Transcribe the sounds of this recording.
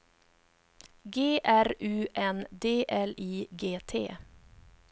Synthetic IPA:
ɡeːʔæɾʉːʔɛnd̪eːʔɛliːɡeːt̪ʰḛː

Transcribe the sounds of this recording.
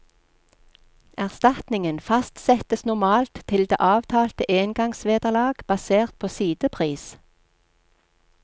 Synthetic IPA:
æʁst̪ɑt̪nɪŋənfɑst̪sɛt̪əsnʊʁmɑːlt̪t̪ʰɪld̪ḛːʔɑːʋt̪ʰɑːlt̪əʔeːnɡɑŋsʋeːd̪əʁlɑːɡ̥b̥ɑseːʁt̪̚pʰoːsiːd̪əpʰʁiːs

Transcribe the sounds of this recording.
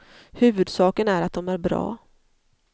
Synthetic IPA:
hʉ̟ːvɵd̪sɑːkənæɾat̪̚d̪ɔmæɾbɾɑ̰ː

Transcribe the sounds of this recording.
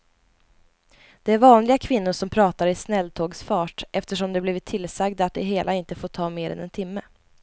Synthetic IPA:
d̪̥ɛæɾvɑːnlɪɡakʰvɪnːʊʂɔmpʰɾɑːt̪aɾɪsnɛlːt̪ʰoːɡsfɑːʈʔɛft̪əʂɔmd̪ɛbliːvɪt̪ʰːɪlːsaɡd̪aat̪̚d̪ɛɦeːlʔa̰ɪnt̪əfoːʈʰɑːmeːɾɛ̰nɛnt̪ʰɪmːə

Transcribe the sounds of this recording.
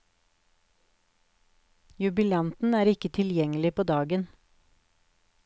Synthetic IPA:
jʉbɪlɑnt̪n̩æːɾɪkət̪ʰɪljɛŋəlɪpʰoːd̪ɑːɡən

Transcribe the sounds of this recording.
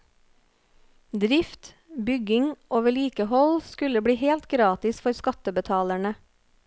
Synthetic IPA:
d̪ɾɪft̪ | bʏɡɪŋʔoːʋəɭiːkəhɔlskʉləbɽiːheːlt̪ɡɾɑːt̪ɪsfɔɾskɑt̪əbət̪ʰɑːlæɳə

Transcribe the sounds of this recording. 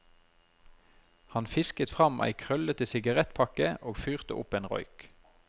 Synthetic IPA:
hɑnfɪskət̪fʁɑmʔæ̰ɪkʰʁœlət̪əsɪɡɑʁɛt̪pʰɑkəʔoːɡfyːʁt̪ə̰ʔʊ̰peːnʁɔ̰ʏk

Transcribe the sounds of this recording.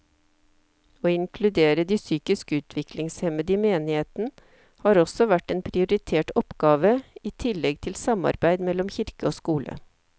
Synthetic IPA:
oːɪŋkʰlʉd̪eːɾəd̪iːsyːkɪskʉːt̪ʰʋɪklɪŋshɛməd̪iːmeːnɪheːt̪n̩ | hɑːɾɔsɔʋæʈːeːnpʰɾɪʊɾɪt̪ʰeːʈɔpɡɑːʋəiːt̪ʰɪlɛɡt̪ʰɪlsɑmɑ̰ɾbæɪd̪mɛlɔmçɪɾkəoːskuːlʔə̰

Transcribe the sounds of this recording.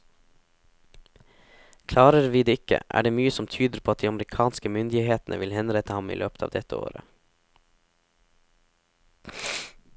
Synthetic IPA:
kʰlɑːɾəɾʋiːd̪eːɪkə̰ʔæ̰ːɖeːmyːəsɔmt̪ʰyːd̪əɾpʰoːt̪̚d̪iːɑmɾɪkʰɑːnskəmʏnd̪ɪheːt̪n̩ʔə̰ʋɪlhɛnɾɛt̪əhɑmḭːløːpət̪ʰɑ̰ːʋd̪ɛt̪ʰəo̰ːɾə̰

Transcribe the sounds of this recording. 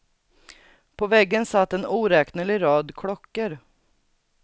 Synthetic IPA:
pʰɔvɛɡːənsat̪ːɛnuːɾɛːknəɭɪɾɑːd̪kʰɽɔkːəɾ

